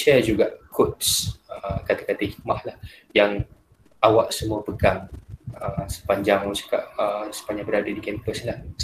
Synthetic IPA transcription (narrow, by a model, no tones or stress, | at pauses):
sad͡ʒuɡaʔkʰut̚səkat̪akat̪ahik̚mahlah | jaŋ | awaʔsəmuapəɡaŋəsə̥paɲd͡ʒaŋɔt͡ʃḁkaʔəsə̥paɲd͡ʒaŋbəɾadadikɛmpəslahs